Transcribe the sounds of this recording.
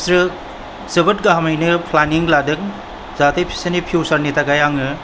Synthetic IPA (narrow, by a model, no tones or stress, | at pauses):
sɾɯ | zɯbɯt̚ɡaɦamajnɯpʰlaniŋladɯk̚ | zatejpʰi̥senipʰjusaɾnitaɡajaŋɯ